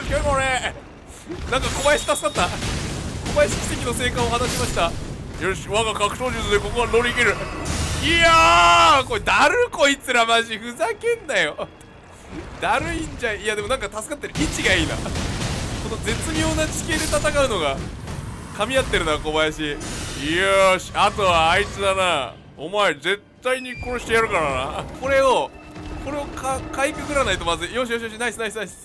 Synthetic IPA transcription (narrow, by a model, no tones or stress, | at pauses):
kʲokoɾe | nãŋkako̞bajaɕi̥t̪asɨ̥kat̪ːa | ko̞bajaɕi̥kʲi̥sekʲino̞se̞ːkãɰ̃ohanaɕimaɕi̥t̪ajoɕβaɡakakɯ̟̥ɕoːd͡ʑɨsɨd̪eko̞koβano̞ɾʲiɡeɾɯ̟iako̞ed̪aɾɯ̟ko̞it͡sɨɾamaʑiɸɯ̟zakẽ̞nːajo̞ | d̪̥aɾɯ̟ĩɲd͡ʑaijad̪e̞mo̞nãŋkat̪asɨ̥kat̪ːe̞ɾɯ̟ʔit͡ɕiɡaiːna̰ | ko̞no̞d͡ze̞t͡sɨmʲo̞ːnat͡ɕi̥ke̞ːd̪e̞t̪at̪akaɯ̟no̞ɡa | kamʲiat̪ːe̞ɾɯ̟noɡakobajaɕi | oɕiat̪o̞βaːit͡sɨd̪ana | omaeze̞t̪ːaiɲ̟iko̞ɾoɕi̥t̪ejaɾɯ̟kaɾana̰ko̞ɾe̞o̞ko̞ɾe̞o̞kakaikɯkɯ̟ɾanait̪o̞mazɨjo̞ːɕ̬ijoɕijoɕ̬inaisɨnaisɨnais